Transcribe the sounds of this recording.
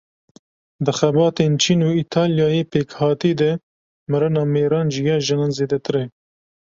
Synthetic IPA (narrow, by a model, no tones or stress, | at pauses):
d̪ɨxɛbɑːt̪eːnt͡ʃʰiːnuːit̪ʰɑːljɑːjeːpeːkhɑːt̪iːd̪ɛ | mɨɾɨnɑːmeːɾɑːnʒijɑːʒɛnɑːnzeːd̪ɛt̪ʰɨɾɛ